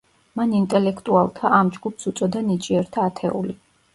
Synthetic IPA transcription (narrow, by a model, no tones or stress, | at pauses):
manint̪ʼɛlɛkʰt̪ʼualˠt̪ʰaʔamd͡ʒɡupsut̪sʼɔd̪anit͡ʃʼiɛɾt̪ʰaːt̪ʰɛ̰ṵli